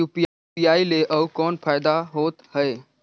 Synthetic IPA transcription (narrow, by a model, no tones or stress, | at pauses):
upi | iaileʔəwkɔːnfajd̪aɦoːt̪həe